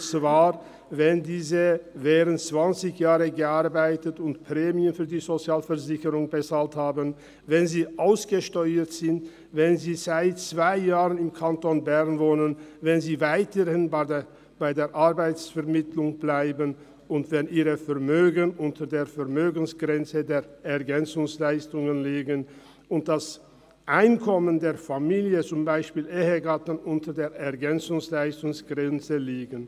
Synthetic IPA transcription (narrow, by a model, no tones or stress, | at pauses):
t͡svaːʁ | vɛndiːzəvɛːʁənt͡sv̥ant͡sɪçjaːʁəɡəʔaɐbaɪtətʊntpʁ̥ɛːmiənfyːɐdiːzot͡sjaːlfɛʁzɪçəʁʊŋbət͡saːlthaːbən | vɛnziːʔaʊsɡ̥əʃtɔʏətz̥ɪnt | vɛnziːzaɪtt͡sv̥aɪjaːʁənɪmkʰantonbɛʁnvoːnənvɛnziːvaɪtəhɪn | b̥aɪdeːɐʔaɐbaɪsfɛɐmɪtʰlʊŋb̥laɪbən | ʔʊntv̥ɛniːʁəfɛɐmøːɡənʔʊntʰɐdeːɐfɛɐmøːɡən̩sɡ̥ʁɛnt͡sədeːɐɛɐɡɛnt͡sʊŋslaɪstʊŋənleːɡən | ʔʊnt̚d̥as | ʔaɪnkʰɔməndeːɐfamiːljət͡sʊmbaɪʃpiːlʔeːɦəɡatn̩ʊntɐdeːɐʔɛɐɡɛnt͡sʊŋslaɪstʊŋsɡ̥ʁɛnt͡səliːɡən